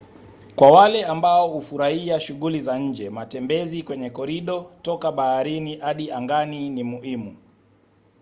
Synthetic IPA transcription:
kwawalɛambaɔhufuɾahiaʃuɠulizaɲ̩d͡ʒɛmatɛmbɛzikwɛɲɛkɔɾiɗɔtɔkaɓahaɾiniʔaɗiaŋɡaninimuhimu

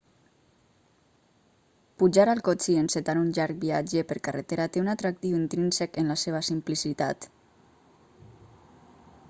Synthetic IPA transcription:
puʒaɾalˠkot͡ʃienset̪aɾunʎaɾk̚biad͡ʒepeɾkaret̪eɾat̪eunat̪ɾak̚t̪iwint̪ɾinsekenlaseβ̞asimplisit̪a̰t̪

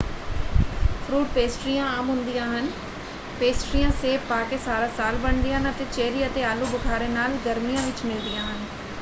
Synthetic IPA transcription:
pʰɾuːʈpeːsʈɾijãːaːmɦʊ̃nd̪ijãːɦən | peːsʈɾijãːseːpːaːkeːsaːɾaːsaːlbəɳd̪ɪãɦnət̪eːt͡ʃeːɾiːət̪eːaːluːbʊkʰaːɾeːnaːlɡəɾmijãːʋɪt͡ʃmɪld̪ɪjãːɦən

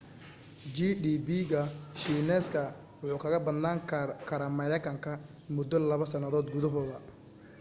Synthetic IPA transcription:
d͡ʒiɖiːbiɣɐʃiːnɛːskʰɐ | wʊħuːkʰɐɣɐbɐd̪naːŋkʰɐɾaːmɐɾɛkʰɐŋkʰɐ | mʊd̪ːɔlɐβɐsɐnɐðɔːd̪̚ɡʊðɐɦɔːðɐ

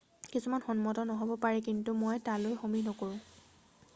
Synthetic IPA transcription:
kisumanxɔnmɔtɔnɔɦobɔpaɹɛkintumojtalojxominɔkoɹʊ̃

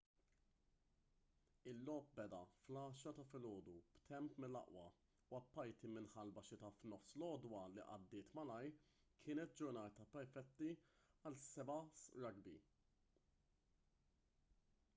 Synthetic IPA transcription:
ɪlːɔːp̚bɛd̪ɐflɐːʃɐt̪ɐfɪlɔːd̪ub̥t̪ɛmpmɪlːɐ̰ʔwɐ̰ | uɐpːɐjt̪imɪnħɐlbɐʃɪt̪ɐfnɔfslɔːd̪wɐliʔɐ̰d̪ːɪːt̪mɐlɐj | kʰɪːnɛt̪̚d͡ʒʊɾnɐːt̪ɐpɛɾfɛt̪ːiɐlsɛbɐsɾɐɡbi

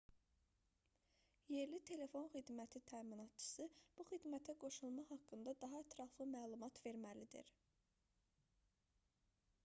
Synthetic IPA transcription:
je̞ɾlit̪ʰe̞le̞fo̞nxid̪mæt̪ʰit̪ʰæminɑt̪t͡ʃʰɯ̥sɯb̥uxid̪mæt̪ʰæɡo̞ʃulˠmɑɦɑkːɯnd̪ɑd̪ɑɦɑæt̪ʰɾɑflˠɯmæːlˠumɑt̪ve̞ɾmælid̪ḭɾ

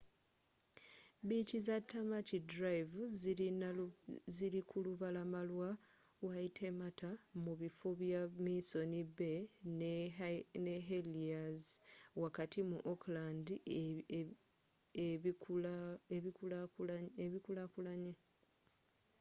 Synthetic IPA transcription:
bicizatʰːamacidɾaivuziin | ziɾikuluβalamalwa | waitʰe̞matamuβifoβjamiso̞niben | neɦeliazwakatimuʔoklandi | e | e | eβikulakulaɲe

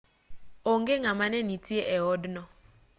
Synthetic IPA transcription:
oŋɡeŋamanɛnitieʔɛɔdnɔ

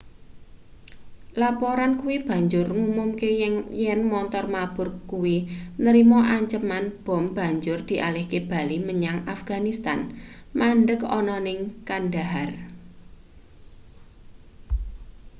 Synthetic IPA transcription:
lapɔɾankuwib̥a̤ɲd͡ʒʊrŋumʊmkeŋjɛnmɔnt̪ɔrmab̥ʊ̤rkuwinəɾimɔʔaɲt͡ʃəmanb̥ɔ̤mb̥a̤ɲd͡ʒʊrd̪̥i̤ʔalɪhkeb̥a̤liməɲaŋafɡ̥anist̪anmanɖəkɔ̰nɔnɪŋkanɖaɦar

